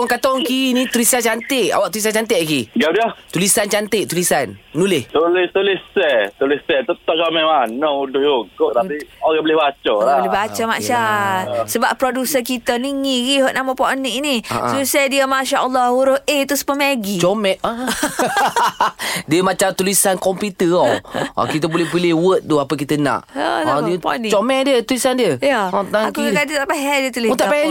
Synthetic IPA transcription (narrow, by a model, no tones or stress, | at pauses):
ŋkat̪ɔŋkinit̪uɾisat͡ʃant̪eʔa̰waʔt̪ulis̬ant͡ʃant̪eʔkiɡadiət̪ulisant͡ʃant̪eʔt̪ulisanːulɪht̪ulɪht̪ulisɛt̪ulisɛt̪ət̪ɔʔ̚t͡ʃomɛ̃ʔanoudʊhjokot̪apioɣɛbəlɪhbat͡ʃəlabəlɦbat͡ʃəmaasəbaʔpɾodusək̬it̪əniŋiɣiɦoʔnaməpɔʔəniʔinia̰susajdiəmaʃaʔəlːɑuɾʊet̪usə̥pəmaɡit͡ʃɔmɛʔa | diəmat͡ʃamt̪ulisankɔmput̪əɔɔ̰kit̪əbulɛhpilɪhwət̪̚t̪uapəkit̪əna̰ʔaiəpnt͡ʃɔmɛʔdiət̪ulisandiəjaɔt̪aakukakadət̪aʔpaɦɛjdiət̪uliut̪aʔpaɛ